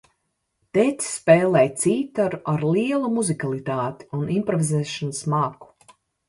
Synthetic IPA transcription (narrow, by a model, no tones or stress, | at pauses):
t̪ɛt̪sspɛːlˠɛjt̪siːt̪aɾuʔaɾliɛlˠumuzikalˠit̪aːt̪i̥unimpɾɔvizɛːʃanasmaːku̥